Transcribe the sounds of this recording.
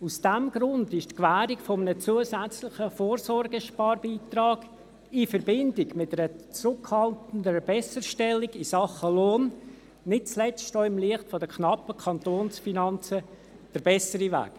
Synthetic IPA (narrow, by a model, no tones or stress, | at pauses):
usd̥ɛmɡ̥ɾʊndɪʃtkvæːɾiɡfɔmənət͡suəsæt͡slɪχəfoːɾsɔɾɡəʃpɑːɾbiːt̪ɾɑːɡ̥ | ifəɾbɪndɪɡmɪtəɾət͡sɾʊkhɑltən̩dəbɛsəɾʃtɛlːiɡisɑχəloːn | nɪt̚t͡slɛt͡stʃtɔːɪmliəχtfɔdəkʰnɑpəkʰɑntoːnsfinɑnt͡sə | d̥əɾbɛsəɾivæ̰ːk